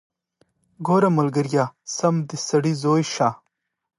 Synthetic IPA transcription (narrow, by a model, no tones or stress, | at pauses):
ɡoːɾɐmɐlɡɐɾjaːsɐmd̪isɐɽizoːjʃaː